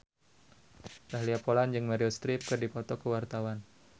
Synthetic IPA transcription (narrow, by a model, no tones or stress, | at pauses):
raɦliapoland͡ʒɨŋmaɾiɔst̪ɾip̚kɨrdipɔt̪ɔkəwart̪awan